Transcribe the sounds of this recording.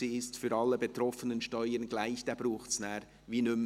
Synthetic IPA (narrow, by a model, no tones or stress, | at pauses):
iɪstfyːɾɑlːəbetɾɔfənənʃtɔʏəɾnɡlaɪçd̥ɛːb̥ɾuːχtsnaːɾ | viːnʏm